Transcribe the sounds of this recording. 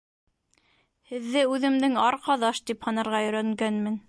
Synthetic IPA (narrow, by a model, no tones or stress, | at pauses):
hɘ̆ðːɘʉðɘ̆md̪ɘŋɑɾqɑðɑʃt̪iphɑnɑɾʁɑjɵ̆ɾæŋɡænmɘn